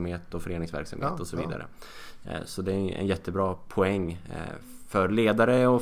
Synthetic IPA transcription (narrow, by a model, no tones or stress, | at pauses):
mheːt̪ɔfœɾeːnɪŋsvæ̰ɾksa̰mheeːt̪ɔsɔviːd̪a̰ɾə̰ | sɔd̪ɛʔɛ̰njɛt̪ʰːəbɾɑːpʰʊɛŋː | fœɾleːd̪aɾəɔ